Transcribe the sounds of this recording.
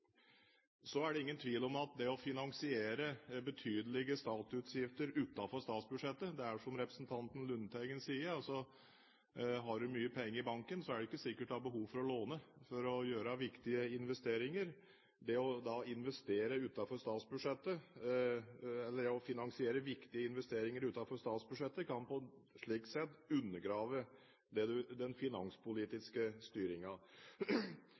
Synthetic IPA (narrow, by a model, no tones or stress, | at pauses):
sɔæɖɛɪŋːənt̪ʰʋiːlɔmɑt̪̚d̪ɛɔfɪnɑŋsɪeːɾəbət̪ʰyːd̪əlɪɡəst̪ɑːt̪ʉt̪sjɪft̪əɾʉːt̪ɑfɔɾʂt̪ɑːt̪sbʉʂɛt̪ːəd̪ɛæʂɔmɾɛpɾəsnt̪ʰɑnt̪ən̩lʉnːt̪ʰæɪɡənsiːəɾɑsɔ | ɦɑɖʉmyːəpʰɛŋːəɾɪbɑŋkənsɔæɖɛɪkːəsɪkːəʈd̪ɑbəɦuːʋfɔɾɔloːnəfɔɾɔjøːɾəʋɪkt̪ɪəɪnʋɛst̪eːɾɪŋəɾ | d̪ɛɔd̪ɑɪnʋɛst̪eːɾəʉːt̪ɑfɔɾst̪ɑːt̪sbʉʂɛt̪ːə | ɛlːəɔfɪnɑŋsɪeːɾəʋɪkt̪ɪəɪnʋɛst̪eːɾɪŋəɾʉːt̪ɑfɔɾʂt̪ɑːt̪sbʉʂɛt̪ːəkʰɑnpɔʂɭiːk̚t̪sɛt̪ːʉnːəɡɾɑːʋə | d̪ɛd̪ʉd̪ɛnfɪnɑ̰nspʊliːt̪ɪskəst̪yːɾɪŋɑ